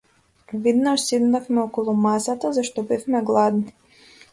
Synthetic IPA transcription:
vid̪naʃsid̪nafmɛɔkɔlˠumasat̪azaʃt̪ɔbɛfmɛɡlˠad̪ni

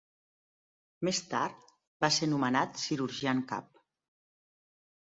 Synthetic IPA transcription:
mest̪a̰ɾt̪ | baseɾnumənat̪siɾuɾʒiaŋka̰p̚

